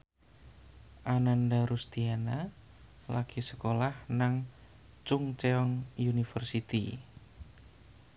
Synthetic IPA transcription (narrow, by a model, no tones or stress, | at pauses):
ʔanandaɾust̪iana | lakisəkolahnaŋ | t͡ʃʊŋt͡ʃeɔŋjunifərsit̪i